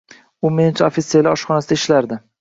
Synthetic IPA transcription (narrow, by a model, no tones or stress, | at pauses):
ʊment͡ʃʰaofit̪selɪɒʃχɒnasɪd̪aɪʃlaɾd̪ɪ